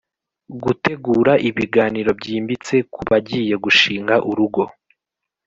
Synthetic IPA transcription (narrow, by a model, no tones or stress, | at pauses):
ɡute̞ɡuːɾaʔiβiɡaːniɾo̞bɟiːmbit͡se̞kuβaɟiːje̞ɡuʃiːŋɡaʔuɾuɡo̞